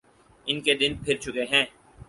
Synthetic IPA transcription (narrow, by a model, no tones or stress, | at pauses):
ɪnked̪ɪnpʰɪɾt͡ʃʰʊkeɦɛ̃ː